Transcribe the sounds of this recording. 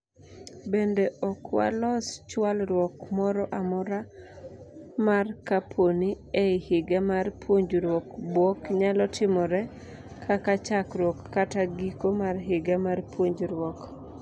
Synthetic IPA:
bendeʔɔkwa̰lɔst͡ʃwalɾwɔkmɔɾɔʔamɔɾa | markapʰoni | eɪhɪɡamarpwoɲd͡ʒɾwɔkbwɔkɲalɔtʰɪmɔɾɛ | kʰakat͡ʃakɾwɔkːataɡikomarɦɪɡamarpwoɲd͡ʒɾwɔk

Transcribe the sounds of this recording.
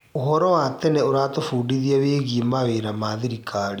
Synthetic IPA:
oɦɔɾɔwaːt̪ɛnɛoɾaːt̪ofuːɖiðiaweːɣimaweːɾamaːðiɾikʰaːɽi

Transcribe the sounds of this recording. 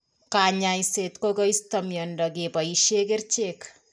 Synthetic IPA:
kaɲajset̪kokoistɔmjɔndɔk̬epɔiʃekert͡ʃek

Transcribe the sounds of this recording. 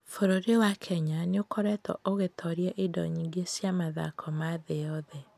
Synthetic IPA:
foɾoɾewakʰɛɲaneokɔɾɛtɔ̰ʔoɣetʰɔɾiɛʔedɔ̰ɲiŋɡesjamaða̰kʰɔmaðejɔðɛ

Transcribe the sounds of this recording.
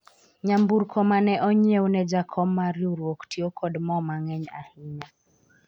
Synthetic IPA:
ɲambuɾkʰɔmanɛʔɔɲɛunɛd͡ʒakʰɔmːaɾiuɾwɔktʰiɔkʰɔdmɔmaŋɛɲa̰hiɲa

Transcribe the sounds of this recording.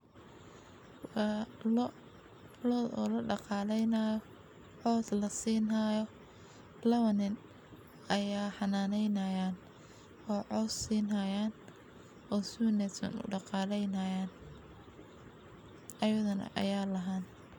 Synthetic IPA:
l | lɔðɔ̰ːlɐɖɑqɑːlɛjnɐjɔ | ʕɔːslɐsiːnɐjɔ | lɐβɐnɪn | ɐjaːħɑnaːnɛjnɐjaːn | ɔːʕɔːssiːnɐjaːn | ɔːsunɛt̪ɐ̰nʊ̰ɖɑqɑːlɛjnɐjaːn | ʔɐjɐðɐnɐ̰ʔɐ̰jaːlɐɦaːn

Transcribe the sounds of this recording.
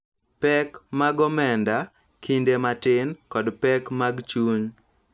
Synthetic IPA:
pɛkmaɡɔmɛnda | kʰindematɪnkɔdpɛkmaɡt͡ʃuɲ

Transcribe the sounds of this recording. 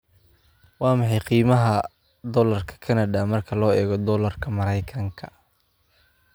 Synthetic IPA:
wɑːmɑħɑjqiːmɐɦɐ | d̪ɔlɐrkʰɐ̥kʰɐnɐd̪amɐrkʰɐlɔːɛːɣɔd̪ɔːlɐrkʰɐmɐɾɐjkʰɐŋkʰɐ̥

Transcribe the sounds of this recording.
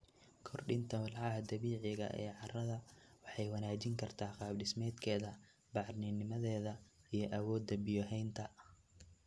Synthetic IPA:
kʰɔrɖɪnt̪ʰɐwɑlʕɑɦɐd̪ɐβiːʕɪɣɐ̰ʔɛ̰ːʕɑrɐðɐwɑħɑjwɐnaːt͡ʃɪŋkʰɐrt̪ʰaːqɑːbɖɪsmɛːd̪kʰɛːðɐ | bɑʕɾnɪnːɪmɐðɛːðɐijɞʔɐwɔːd̪ːɐbɪjɔɦɛjnt̪ʰɐ

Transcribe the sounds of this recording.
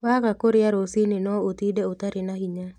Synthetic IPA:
wakakoɾɪjaɾosinɪnɔot̪ideot̪aɾɪnahiɲa

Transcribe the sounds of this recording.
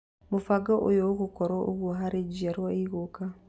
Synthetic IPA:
mofaɡɔʔojoɣokɔɾɔʔo̰ɣwoɦaɾed͡ʒiaɾwaiɣoka

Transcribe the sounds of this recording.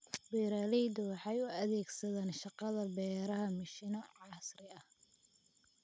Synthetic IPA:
bɛːɾaːlɛjd̪ʊwɑħɑjʊɐðɛːɡsɐðaːnʃɑqɑðɐbɛːɾɐɦɐmɐʃiːnɔʕɑsrɪɐh

